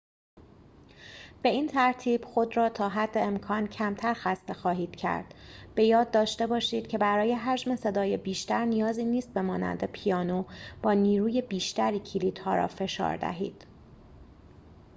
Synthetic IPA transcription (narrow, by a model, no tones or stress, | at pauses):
b̥e̞iːnt̪ʰæɾt̪ʰiːb̥xo̞d̪ɾɒːt̪ʰɒːɦæd̪ːe̞ːmkʰɒːncʰæmt̪ʰæɾxæst̪e̞xɒːɦiːd̪̥cʰæ̰ɾd̪̥b̥e̞jɒːd̪ːɒːʃt̪e̞bɒːʃiːd̪̥̚cʰe̞bæɾɒːje̞ɦæd͡ʒme̞se̞d̪ɒːjebiːʃt̪æɾnijɒːziːniːst̪̚be̞mɒːnæ̰nd̪e̞pʰijɒːnob̥ɒːniːɾuːje̞biːʃt̪æɾiːcʰiliːd̪̥hɒ̰ːɾɒ̰ːfe̞ʃɒ̰ːɾd̪æ̰ɦḭːd̪̥